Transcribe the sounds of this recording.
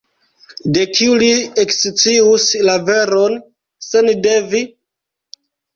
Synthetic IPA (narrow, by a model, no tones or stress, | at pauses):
de̞kʰiuliekst͡siuslave̞ɾon | sende̞vi